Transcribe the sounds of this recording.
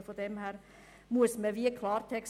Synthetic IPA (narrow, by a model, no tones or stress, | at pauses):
fɔd̪ɛmhæːɾ | muːəsmɛʋiːəkʰlɑːɾt̪ʰɛks